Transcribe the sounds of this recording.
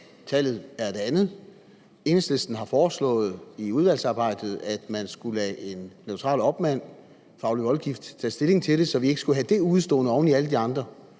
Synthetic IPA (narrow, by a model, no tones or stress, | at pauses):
t͡sʰæl̰ð̩ˠæɐd̥e̝ænð̩ˠ | e̝nəslesd̥n̩ɦɑ̈fɒːslɔ̰̽ːð̞̩ˠiuð̞ˠʋæl̰sɑ̈ːb̥ɑ̈ɪ̰d̥ð̞̩ˠæd̥mænsɡ̥ulɛʔe̝nːeʊt͡sʰʁɑ̰̈ːlɒ̽b̥mæn̰ | fɑ̈ʊliʋɒ̽lɡ̥ifd̥t͡sʰɛ̰ːsd̥e̝le̝ŋt͡sʰe̝ld̥e̝sɒ̽ʋie̝ɡ̥əsɡ̥uɦæd̥e̝uð̩ˠsd̥ɔ̰ːnəɒʊniælədiɑ̈nd̥ʁɐ